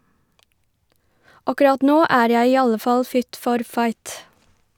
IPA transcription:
ˈɑkʉˌɾɑt ˈnoː ˈæːɾ ˈjæɪ ˈiː ˈɑlə ˈfɑl ˈfɪt ˈfɔɾ ˈfɑɪt

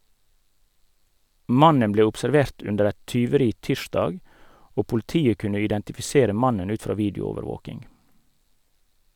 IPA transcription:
ˈmɑnən ˈbleː ʊpsɛɾˈʋeːʁt ˈʉndəɾ ˈɛt tʏʋəˈɾiː ˈtiːʃdɑːɡ ˈoː pʊlɪˈtiːə ˈkʉnə ɪdɛntɪfɪˈseːɾə ˈmɑnən ˈʉːt ˈfɾɑː ˈʋiːdɪʊˌoːʋəɾˌʋoːkɪŋ

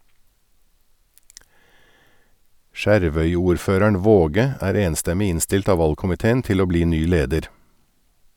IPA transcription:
ˈʃæɾʋœʏuːɾˌføːɾæɳ̩ ˈʋoːɡə ˈæːɾ ˈeːnstɛmɪ ˈɪnstɪlt ˈɑː ˈʋɑlkʊmɪteːn̩ ˈtɪl ˈoː ˈbliː ˈnyː ˈleːdəɾ

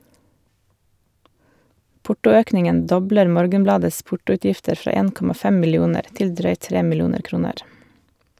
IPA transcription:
ˈpʊʈʊˌøːknɪŋən ˈdɔbləɾ ˈmoːɾɡənˌblɑːdəs ˈpʊʈʊʉˌtjɪftəɾ ˈfɾɑː ˈeːn ˈkɔmɑ ˈfɛm mɪlɪˈuːnəɾ ˈtɪl ˈdɾœʏt ˈtɾeː mɪˈluːnəɾ ˈkɾuːnəɾ

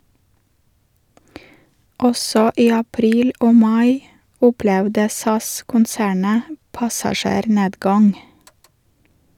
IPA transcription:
ˈɔsɔ ˈiː ɑˈpɾiːl ˈoː ˈmɑɪ ˈʊplɛʋdə ˈsɑskʊnˌsæːɳə pɑsɑˈʃeːɾˌneːdɡɑŋ

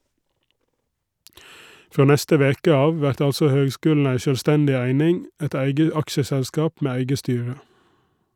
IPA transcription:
ˈfoː ˈnɛstə ˈʋeːkə ˈɑːʋ ˈʋæɾt ˈɑlsɔ ˈhøːɡˌskʉːll̩ ˈæɪ ʃœlˈstɛndɪ ˈæɪnɪŋ ˈɛt ˈæɪɡə ˈɑkʃəsɛlˌskɑːp ˈmeː ˈæɪɡə ˈstyːɹə

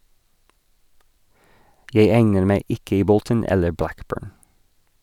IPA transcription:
ˈjeɪ ˈæŋnəɾ ˈmæɪ ˈɪk ˈiː ˈbɔltən ˈɛlə ˈblækˌbøːɹn

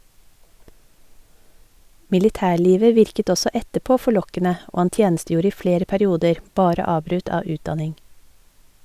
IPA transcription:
mɪlɪˈtæːˌɭiːʋə ˈʋɪɾkət ˈɔsɔ ˈɛtəəˌpoː fɔˈɭɔkənə ˈʔoː ˈhɑn ˈtjeːn̩ˌstjuːɾə ˈiː ˈfɽeːɾə pæɾɪˈuːdəɾ ˈbɑːɾə ˈɑːbɾʉt ˈɑː ˈʉːtˌdɑnɪŋ

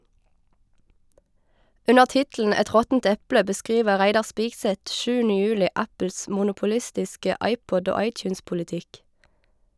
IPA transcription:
ˈʉnəʁ ˈtɪtl̩n̩ ˈɛt ˈʁɔtn̩t ˈɛplə bəˈskʁiːʋə ˈʁæɪdɑʁ ˈspiːɡsɛt ˈʃʉːnə ˈjʉːlɪ ˈʔæpl̩s ˌmʊnʊpʊˈlɪstɪskə ˈɑɪˌpɔd ˈoː ˈɑɪˌtjʉːnspʊlɪˌtɪk

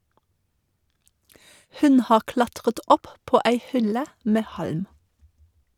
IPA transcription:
ˈhʉn ˈhɑːʁ ˈklɑtʁət ˈɔpˌpoː ˈæɪ ˈhʏlə ˈmɛ ˈhɑlm

